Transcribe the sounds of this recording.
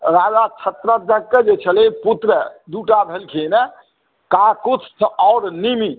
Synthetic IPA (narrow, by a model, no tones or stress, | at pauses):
ɾad͡ʒat͡ʃʰət̪ɾəd̪əɡːed͡ʒet͡ʃʰəleput̪ɾəd̪uʈabʱelkʰinə | kãkut̪ʰsɔːɾnimi